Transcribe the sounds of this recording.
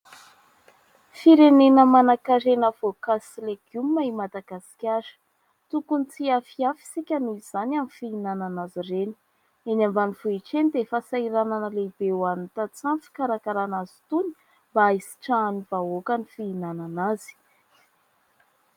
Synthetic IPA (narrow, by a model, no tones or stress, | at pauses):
fiɾenenəmanakaɾenəvokasileɡ̥umːaimad̪aɡasi̥kʲaɾə̥ | t̪ukunt͡siafiafi̥sikʲanuz̥anamifiinananazireni̥ | enambanivuiʈ͡ʂenid̪efasaiɾananəleb̥ewanit̪at͡samfi̥kaɾakaɾanazi̥t̪uni̥ | mbaisi̥ʈ͡ʂaːniv̥aokanifiːnananazi̥